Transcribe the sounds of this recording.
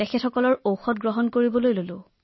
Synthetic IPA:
ɛxʰɛtʰɔkɔlɔɹowxɔtɡɹɔɦɔnkoɹibɔlojlolʊ̃

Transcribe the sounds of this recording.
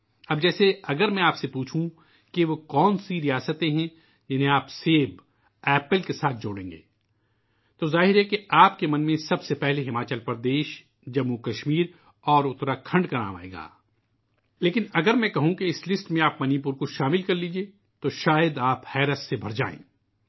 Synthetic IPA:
ɐb̚d͡ʒɛːseɐɡəɾmɛ̃aːpsepuːt͡ʃʰũ | keʋokɔːnsiɾijaːsət̪ẽɦɛ̃ | d͡ʒɐnẽaːpseːb | ɛːpəlkesaːt̪̚ʰd͡ʒoːɽḛ̃ːŋɡḛː | t̪ozaːɦɪɾɦɛkeaːpkemɐnmẽsɐbsepɛɦleɦɪmaːt͡ʃəlpɾd̪eːʃ | d͡ʒɐmːukɐʃmiːɾ | ɔːɾʊt̪ɾakʰɐ̃ɳɖkɐna̰ːʋa̰ːḛːɡa̰ː | leːkɪnɐɡəɾmɛ̃kɐɦũkeɪslɪsʈmẽaːpmɐniːp̬ʊɾkoʃaːmɪlkɐɾliːd͡ʒieː | t̪oʃaːjəd̪aːphɛːɾət̪sebʱɐɾd͡ʒa̰ːḛ̃ː

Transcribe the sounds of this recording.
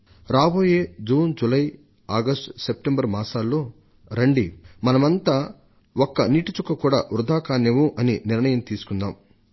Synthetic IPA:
ɾaːboːjeːd͡ʒuːnd͡ʒulɐj | aːɡɐsʈsep̚ʈembɐɾmaːsaːlːo̞ː | ɾɐɳɖimɐnɐmɐnt̪aː | okːɐniːʈit͡ʃukːɐkuːɽaːɾud̪ʱaːkaːnjɐʋuʔɐniniɾɳɐjɐmt̪iːsu̥kund̪aːm

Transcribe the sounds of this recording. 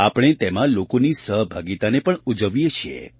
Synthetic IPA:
apɽ̃et̪emãlokonisəɦbʱaɡit̪anepəɳud͡ʒəʋijet͡ʃʰiḛ

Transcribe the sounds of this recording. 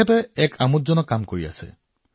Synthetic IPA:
ɛtɛɛkʰamutzɔnɔkamkoɹia̰sɛ̰

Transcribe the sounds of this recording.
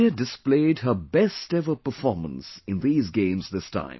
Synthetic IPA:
ədɨspleɪd̚ɦə˞bɛstɛvə˞pəfɔɹmə̰̃nsɨ̃nðiːzɡẽɪ̃mzðɪstʰã̰ɪ̃m

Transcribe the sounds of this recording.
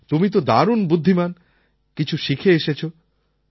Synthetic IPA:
t̪umit̪od̪aɾunbud̪ʱːiman | kit͡ɕʰuʃikʰeeʃet͡ɕʰo

